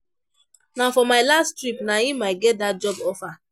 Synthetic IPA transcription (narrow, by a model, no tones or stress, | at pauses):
nafɔmaɪlastɾipnaĩmaɪɡɛt̚dat̚d͡ʒɔbɔfa